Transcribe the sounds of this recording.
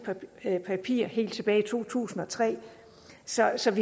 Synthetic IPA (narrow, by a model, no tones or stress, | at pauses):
pʰæpʰḭːɐ̰hɦe̝̰ːld̥t͡sʰe̝b̥ɛːɪit͡sʰo̝̰ːt͡sʰṵːsn̩ɒ̽t͡sʰʁɛ̰ː | sɒ̽sɒ̽ʋi